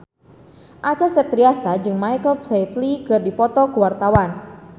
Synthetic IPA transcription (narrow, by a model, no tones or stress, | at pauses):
ʔat͡ʃasət̪ɾiasad͡ʒɨŋmajkəlplet̪likɨrdipɔt̪ɔkuwart̪awan